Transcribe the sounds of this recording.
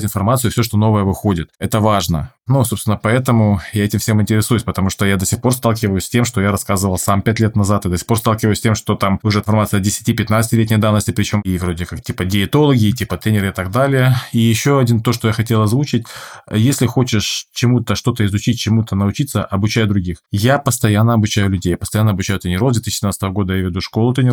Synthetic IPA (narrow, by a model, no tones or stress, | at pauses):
tʲɪnfɐrmat̪sɨʊfsʲoʂt̪o̞no̞vəjəvɨxo̞dʲɪt̪ɛt̪əvaʐnə̰nusopst̪ʲɪnːəpɐɛt̪əmʊjaɛtʲɪmfsʲe̞mɪnʲtʲɪɾʲɪsujʊsʲpət̪ɐmuʂt̪ojad̪əsʲɪxpo̞rst̪alˠkʲɪvəjʊsʲtʲe̞mʂt̪ojaɾɐskazɨvəlˠsampʲætʲlʲet̪nɐzat̪ɨd̪osʲɪxpo̞rst̪alˠkʲɪvəjʊsʲtʲe̞mʂt̪ot̪amʊʐɛnfɐrmat̪sɨəɐdʲɪsʲɪ̥tʲipʲɪt̪nat̪sɨ̥tʲɪlʲetʲnʲɪjəd̪avnəsʲtʲɪpɾʲɪt͡ɕo̞mivɾo̞dʲɪkaktʲipədʲɪɪt̪o̞lˠəɡʲɪːtʲipət̪ɾʲenʲɪɾɨɪt̪aɡ̚d̪alʲɪjəijɪɕːo̞ɐdʲint̪oʂt̪ojaxɐtʲe̞lˠɐzvut͡ɕɪtʲjesʲlʲɪxot͡ɕɪʂt͡ɕɪmut̪əʂt̪o̞t̪əɪzʊt͡ɕit̚ʲt͡ɕːɪmut̪ənəʊt͡ɕit̪səʔɐbʊt͡ɕæjʊd̪ɾʊɡʲixjapəst̪ɐjanːəɐbʊt͡ɕæjʊlʲʉdʲejapəst̪ɐjanːəɐbʊt͡ɕæjʊt̪ɾʲɪnʲɪɾovd̪vʲet̪iɕːɪɪnat̪st̪əvəɡo̞d̪əjavʲɪd̪uʂko̞lˠʊt̪ɾʲɪnʲɪ